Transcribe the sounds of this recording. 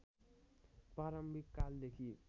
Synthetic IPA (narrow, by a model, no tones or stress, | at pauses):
pɾaɾʌmbʱikːald̪ekʰi